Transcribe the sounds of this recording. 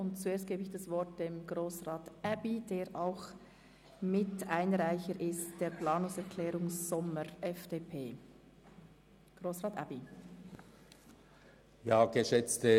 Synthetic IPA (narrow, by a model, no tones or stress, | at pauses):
ʊntt͡sueːɐst̚ɡ̥eːbəɪçd̥asvɔɾt̚d̥emɡʁoːsʁaːtʔabid̥eːɾʔaʊx | mɪtaɪnʁaɪçəɾʔɪstd̥eːɾplaːnʊŋsɛɾkʰlɛːɾʊŋsz̥ɔməɾʔɛfd̥eːpʰeː | ɡ̥ʁoːsʁaːtʔa̰bi | jaːɡ̥əʃɛt͡stə